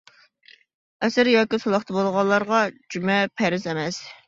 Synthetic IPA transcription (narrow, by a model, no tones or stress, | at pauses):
ɛsɪɾjɑːkʲisolˠɑχt̪ʰɑbolˠʁɑlˠːɑɾʁɑd͡ʒymɛpʰɛɾɪzɛmɛs